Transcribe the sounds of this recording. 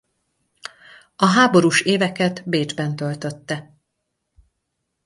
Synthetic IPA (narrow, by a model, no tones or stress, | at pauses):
ɒɦaːbo̞ɾuːʃeːvɛkɛt̪beːd͡ʒbɛnt̪ø̞lt̪ø̞t̪ːɛ